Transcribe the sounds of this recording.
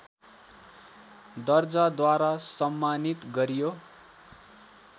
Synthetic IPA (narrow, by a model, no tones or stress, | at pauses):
d̪ʌrd͡zad̪waɾasʌmːanit̪ɡʌɾijo